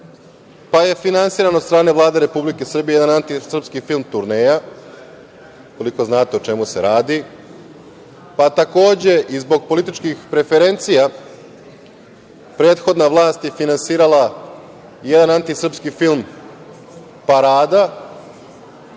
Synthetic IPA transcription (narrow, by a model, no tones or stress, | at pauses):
paje̞finansiːɾanot̪st̪ɾaːne̞ʋvlˠaːd̪eɾe̞publike̞sr̩bijeed̪anant̪isr̩pskifilˠmt̪uɾne̞ːja | ukoliko̞znaːt̪e̞ot͡ʃe̞muse̞ɾaːd̪i | pat̪ako̞ːd͡ʑe̞ʔizbo̞ɡ̚po̞lit̪it͡ʃkixpɾe̞fe̞ɾe̞nt̪sija | pɾe̞ːt̪xo̞d̪naʋlˠaːst̪jefinansiːɾala | je̞d̪anant̪isr̩pskifilˠm | paɾaːd̪a